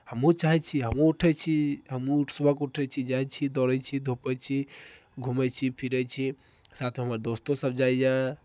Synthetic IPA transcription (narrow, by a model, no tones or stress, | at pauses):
həmũt͡ʃaɦɛt͡ʃʰiɦəmuuʈʰɛt͡ʃʰiɦəmuuʈʰsəbʱəkuʈʰɛt͡ʃʰid͡ʒajt͡ʃʰid̪ɔɾɛt͡ʃʰid̪ʱopɛt͡ʃʰi | ɡʱumɛt͡ʃʰipʰiɾɛt͡ʃʰi | sat̪ʰmeɦəməɾd̪ost̪osəbd͡ʒajd͡ʒa